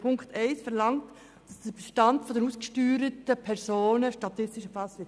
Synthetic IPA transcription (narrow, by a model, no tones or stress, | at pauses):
pʰʊŋktɛɪsfɛɾlɑŋt | d̥ɑsd̥əbəʃtɑntfɔdənuːskʃtyːɾətəpʰɛɾsoːnəʃtɑtɪstɪʃəfɑsʋɪ